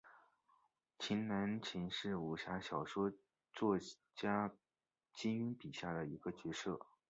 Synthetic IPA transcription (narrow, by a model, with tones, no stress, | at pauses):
t͡ɕʰi˧˥nna˧˥nt͡ɕʰi˧˥ŋʂɻ̩˥˩u˨˩ɕja˧˥ɕjɑ˨˩ʊʂwɔ˥ | t͡swɔ˥˩ | t͡ɕja˥ | t͡ɕi˥ny˥npi˨˩ɕja˥˩d̪ə˩i˧˥ɡə˧t͡ɕɥɛ˧˥ʂɤ˥˩